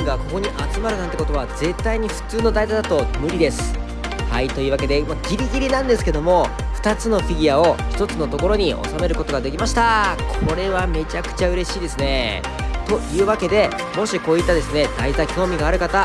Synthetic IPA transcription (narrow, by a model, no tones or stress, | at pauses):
ɡako̞ko̞ɲ̟iʔat͡sɨmaɾɯãnt̪eko̞t̪o̞aze̞t̪ːaiɲ̟iɸɯ̟̥t͡sɨːno̞d̪aizad̪at̪o̞mɯ̟ɾʲid̪e̞sɨ̥ | hait̪o̞iɯːβake̞d̪e̞moɡʲiɾʲiɡʲiɾʲinãnd̪esɨ̥ke̞d̪o̞mo̞ | ɸɯ̟̥t̪at͡sɨno̞ɸʲiɡʲiao̞çi̥t̪o̞t͡sɨno̞t̪o̞ko̞ɾo̞ɲ̟iʔo̞̰same̞ɾɯ̟ko̞t̪o̞ɡad̪e̞kʲimaɕi̥t̪akʰo̞ɾe̞βame̞t͡ɕakɯ̟̥t͡ɕaɯ̟ɾe̞ɕiːd̪e̞sɨne̞ | t̪o̞jɯ̟ːβake̞d̪e̞ | mo̞ɕiko̞ːit̪ːad̪e̞sɨne̞d̪aizakʲo̞ːmʲiɡaːɾɯ̟kat̪a